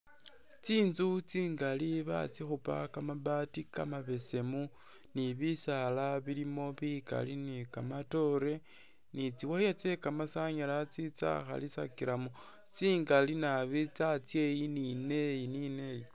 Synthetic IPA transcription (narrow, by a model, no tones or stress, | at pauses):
t͡siːnzut͡siːŋɡaliβa̰t͡sixupa̰kamaβatikamaβe̞se̞mu | niβisalaβilimo̞βika̰linikamato̞ɾe̞ | nit͡siwajat͡se̞kamasaɲalat͡sit͡sa̰xa̰lisa̰kiɾamo | t͡siːŋɡalinaβit͡sat͡sje̞jinine̞jinine̞ji